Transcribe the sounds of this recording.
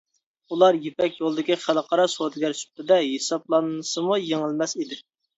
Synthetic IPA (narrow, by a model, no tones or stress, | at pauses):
ulˠɑɾjepɛkʲjolˠd̪ɨkʲiχælˠəqʰɑɾɑsod̪ɡʲɛɾt͡ʃy̥p̚t̪ɨd̪ɛɦesɑb̚lˠɑnɨsɨmujeŋɪlmɛsid̪ɪ